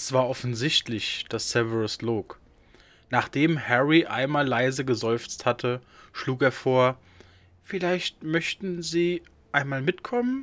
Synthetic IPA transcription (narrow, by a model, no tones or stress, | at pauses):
ɛsv̥aːɐʔɔfn̩zɪçtlɪçd̥asːɛvəʁəsloːk | naːχd̥eːmhɛʁiʔa̰ɪnmaːlːaɪzəɡəzɔʏft͡sthatʰə | ʃluːkeːɐfoːɐ | fɪlaɪçtmœçtn̩ziː | ʔaɪnmaːlmɪtkʰɔmən